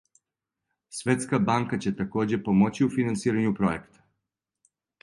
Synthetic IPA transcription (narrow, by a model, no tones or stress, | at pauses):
sʋe̞t̪skabaŋkat͡ɕe̞t̪ako̞ːd͡ʑepo̞mo̞t͡ɕiufinant̪siːɾaɲupɾo̞jekt̪ḁ